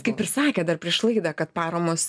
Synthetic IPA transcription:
kɐɪpʲɪrʲsɑːkʲɛːd̪ɐrpʲɾʲiɛʃlˠɐɪd̪ɐkɐt̪pɑːɾɐmoːs

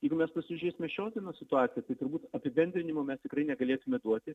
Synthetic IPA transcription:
jjɛɪɡʊmʲɛspɐsʲɪʒʲesʲɪmʲɛʃʲoːd̪ʲiɛnoːsʲɪt̪ʊɑːt͡s̪ʲɪjɛt̪ɐɪt̪ʊɾbuːt̪ɐpʲɪbʲɛnʲd̪ʲɾʲɪnʲɪmomʲɛst̪ʲɪkɾɐɪnʲɛɡɐlʲeːt̪ʊmʲɛd̪uɔt̪ʲɪ

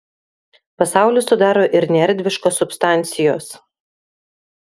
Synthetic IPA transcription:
pɐsɑˑʊlʲʊsʊd̪ɑːɾoːʔɪɾnʲɛɾʲd̪ʲʋʲɪʃkoːsʊpʲst̪ɑˑnʲt̪sʲɪjoːs

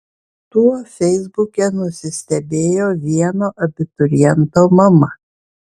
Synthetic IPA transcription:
t̪uɔfʲɛɪzbʊkʲɛnʊsʲɪsʲt̪ʲɛbʲeːjoːʋʲiɛnoːʔɐbʲɪt̪ʊɾʲjɛnt̪oːmɐmɐ

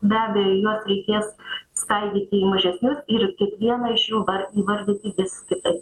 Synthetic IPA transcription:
bʲæːbʲɛjojuɔsɾʲɛɪkʲeːsskɐlʲɡʲiːt̪ʲɪiːmɐʒʲɛsʲnʲʊsɪrkʲɪk̪ʋʲiɛnɐɪʃjuːʋɐriːʋɐɾʲd̪ʲɪt̪ʲɪʋʲɪsskʲɪt̪ɐɪp

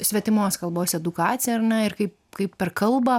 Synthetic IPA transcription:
sʲʋʲɛt̪ʲɪmoːskɐlˠboːsɛd̪ʊkɑːt͡s̪ʲɪjɛɐrnɐɪɾkɐɪp | kɐɪppʲɛɾkɐlˠbɐ

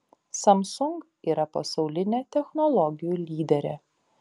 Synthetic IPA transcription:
sɐmsʊŋk | iːɾɐpɐsɐʊlʲɪnʲeːt̪ʲɛxnɔlˠɔɡʲɪjuːlʲiːd̪ʲɛɾʲɛ

